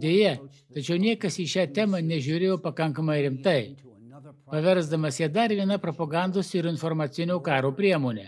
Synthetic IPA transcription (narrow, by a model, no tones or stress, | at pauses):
d̪ʲeːjɛ | t̪ɐt͡ʃʲɛʊnʲiɛkɐsiːʃʲæːt̪ʲæːmɐnʲɛʒʲuːɾʲejoːpɐkɐŋkɐmɐɪɾʲɪmt̪ɐɪ | pɐʋʲɛɾzd̪ɐmɐsjiɛd̪ɐɾʋʲiɛnɐpɾɔpɐɡɑˑnd̪oːsɪɾɪnfɔɾmɐt̪sʲɪnʲoːkɑːɾoːpʲɾʲiɛmoːnʲɛ̰